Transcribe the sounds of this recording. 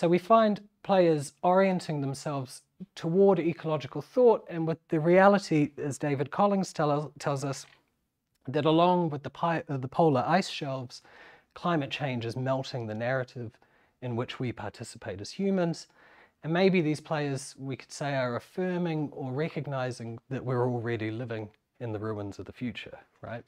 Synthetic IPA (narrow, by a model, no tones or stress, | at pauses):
soʊwifãɪ̃n | pʰl̥eɪə˞zɔɹiɨ̃ntʰɪ̃ŋðə̃m̩sɛlˠvz̥ | tʰəwɔɹɾikʰəlɑd͡ʒɨkl̩ˠθɔɾɨ̃nwɨðɨɹiælˠəɾiɨzdeɪvɨd̚kʰɑlˠɪ̃ŋz̥tʰɛlˠzʌs | ðɨɾəlɔ̃ŋwɨðəpʰaɪðəpʰoʊlˠə˞ʔaɪsʃɛlˠvz̥kʰl̥ãɪ̃mɨt̚t͡ʃʰẽɪ̃nd͡ʒɨzmɛlˠtɪ̃ŋðɨnɛɹɨɾɪv | ɨ̃nwɪt͡ʃwipʰɑɹtʰɪsə̥pʰeɪɾɨz̥hjʉmɨ̃nz̥ | ɨ̃nmeɪbiðiz̥pʰl̥eɪə˞zwikʰəd̥seɪə˞ɨfɜ˞mɪ̃ŋə˞ɹɛkɨɡ̚naɪzɪ̃ŋðɨʔ̚wɪɹɔl̩ˠɹɛɾilɪvɪ̃ŋ | ɨ̃nðɨɹʉə̃nzʌvðɨfjʉt͡ʃə̰˞ɹa̰ɪt̚